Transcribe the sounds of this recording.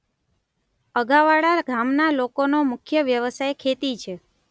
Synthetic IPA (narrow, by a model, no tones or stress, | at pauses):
əɡaʋaɽaɾɡʱamnalokonomʊkʰjəʋjəʋəsajkʰet̪it͡ʃʰe